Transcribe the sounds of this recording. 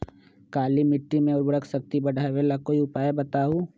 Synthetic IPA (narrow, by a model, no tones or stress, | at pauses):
kaːlimɪʈɾimẽʊɾbɽəksək̚t̪ibɐɖʱaːeʋeːlakoːiʊpaːjebɐt̪aːɦũː